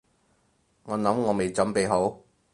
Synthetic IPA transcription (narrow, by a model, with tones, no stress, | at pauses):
ŋɔː˨˧nɐ˨˥mŋɔː˨˧me˨˧jt͡sɐ˨˥mpe˨˧jɦo˨˥w